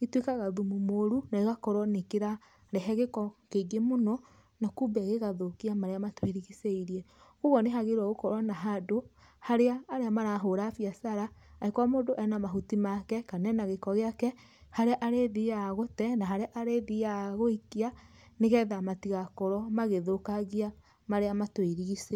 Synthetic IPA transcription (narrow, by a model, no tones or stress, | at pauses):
itwekaɣaðumumoɾunaeɣakɔɾwɔnekeɾa | ɾɛɦɛɣekɔkeɡemonɔ | nakubɛɣeɣaðokiamaɾeamatweɾiɣiseiɾiɛɣoɣɔneɦaɣeɾwaɣokɔɾwanaɦado | haɾeaːɾeamaɾaɦoɾafiasaɾaːekwamoːdoʔɛnamaɦutimakɛkanɛnaɣekɔɣeakɛ | haɾeaʔaɾeðiaɣotɛnaɦaɾeaʔaɾeðijaɣoikia | neɣɛðamatiɣakɔɾɔmaɣeðokaɣia | maɾeamatweɾiɣise